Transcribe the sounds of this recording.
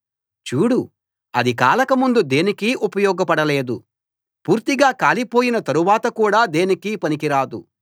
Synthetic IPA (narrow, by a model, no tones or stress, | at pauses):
t͡ʃuːɽu | ɐd̪ikaːlɐkɐmund̪ud̪e̞ːnikiʔupɐjɔːɡɐpɐɽɐle̞ːd̪u | puːɾt̪iɡaːkaːlipo̞ːjinɐt̪ɐɾuʋaːt̪ɐkuːɽaːd̪e̞ːnikipɐnikiɾaːd̪ṵ